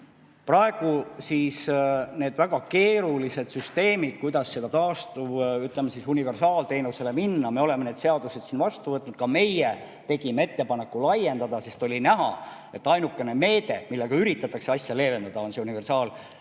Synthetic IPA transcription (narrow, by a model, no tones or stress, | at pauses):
prɑeɡ̥usisne̞ːd̪̥væɡ̥ɑke̞ːɾulise̞d̪̥syst̪e̞ːmid̪̥̚kujd̪̥ɑsːe̞d̪̥ɑt̪ɑːst̪uyt̪lemːesisunive̞rsɑːlt̪e̞ːnuse̞le̞minːɑmeo̞le̞mːene̞ːd̪̥se̞ɑd̪use̞d̪̥siːnvɑst̪uvɤt̪nud̪̥kɑme̞je | t̪e̞ɡ̥imee̞t̪ːe̞pɑne̞kːulɑje̞nd̪ɑd̪̥ɑse̞st̪o̞lʲinæɦɑ̰ | e̞t̪ːɑjnukˑːe̞ne̞me̞ːd̪̥e̞̰milːeɡ̥ɑyɾit̪ːˑɑt̪ːˑɑkseɑsʲjɑle̞ːve̞nd̪̥ɑd̪̥ɑo̞nseunive̞rsɑːl